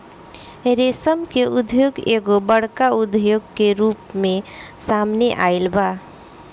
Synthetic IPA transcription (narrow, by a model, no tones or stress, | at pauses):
ɾesəmkeud̪ʱjoɡeɡobəɽkaud̪ʱjoɡkeɾupmẽsamneʔailba